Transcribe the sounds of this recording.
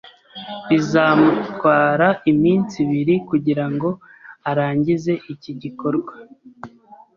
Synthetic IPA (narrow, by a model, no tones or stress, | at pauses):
izamutwaːɾaimiːnt͡siβiɾikuɟiɾaŋɡo̞ | aɾaːɲɟize̞ʔiciɟiko̞ɾɡwa